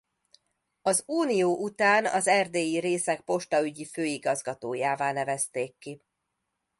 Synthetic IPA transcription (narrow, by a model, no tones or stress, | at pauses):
ɒzuːnijoːʔut̪aːnɒ̰zɛrd̪eːjiɾeːsɛk̚po̞ʃt̪ɒyɟiføːiɡɒzɡɒt̪oːjaːvaːnɛvɛst̪eːkːi